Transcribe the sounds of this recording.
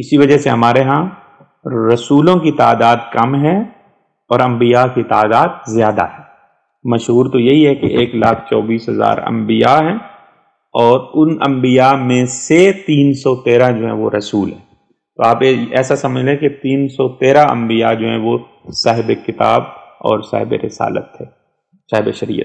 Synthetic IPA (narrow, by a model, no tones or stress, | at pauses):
ɪsiʋɐd͡ʒəɦseɦɐmaːɾeɦã | ɾɐsuːlõkit̪aːd̪aːd̪kɐmɦɛ̃ | ɔːɾɐ̃mbijakit̪aːd̪aːd̪̚zjaːd̪a̰ɦɛː | mɐʃɦuːɾt̪ojɐɦiɦɛkḛʔeːklaːkʰt͡ʃɔːbiːsɦɐza̰ːɾɐ̰̃mbɪjaɦɛ̃ː | ɔːɾʊnɐ̰̃mbijamẽset̪iːnsɔt̪eːɾad͡ʒoːɦɛ̃ʋoɾɐsuːlɦɛ̃ː | t̪oaːpeɛːsasɐməd͡ʒleket̪iːnsɔt̪eːɾaɐ̰̃mbijad͡ʒoːɦɛ̃ʋo | saːɦɪbekɪt̪a̰ːbɔ̰ːɾsa̰ːɦɪbḛɾɪsa̰ːlə̰t̪ɦɛː | saːɦbḛʃɐɾḭːə̰t̪̚